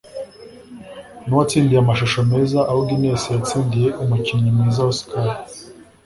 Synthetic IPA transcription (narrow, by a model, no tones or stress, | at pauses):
nuwat͡siːndijamaʃoʃome̞ːzaʔawuɡimeːsijat͡siːndije̞ʔumuciɲimniːzawoskaɾi